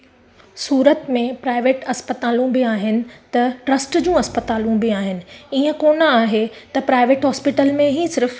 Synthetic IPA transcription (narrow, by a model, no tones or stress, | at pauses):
suːɾət̪mẽpɾaːɪʋeːʈɐspət̪aːlũbiaːɦɪnɪ̆t̪ɐʈɾɐsʈd͡ʑũːɐspət̪aːlũbiaːɦɪnɪ̆iːə̃koːnəaːɦet̪ɐpɾaːɪʋeːʈɦɔːspɪʈəlmẽɦisɪɾf